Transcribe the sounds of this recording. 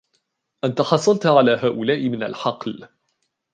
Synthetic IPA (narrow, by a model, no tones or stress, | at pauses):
ʔant̪aħɑsˤːɑlt̪ʕalaːɦaːʔʊlaːʔɪmɪna̰lħɑql